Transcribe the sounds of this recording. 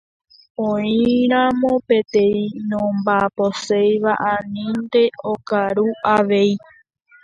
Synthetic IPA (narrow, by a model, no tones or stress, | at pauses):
õĩɾ̃amõpe̞t̪ẽ̞ĩnõmbaposejʋaʔanĩnd̪e̞okaɾuaʋe̞j